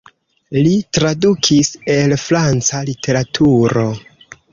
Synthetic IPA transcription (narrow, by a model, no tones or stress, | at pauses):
litɾadukʰise̞lfɾant͡salitʰe̞ɾatʰuɾo̞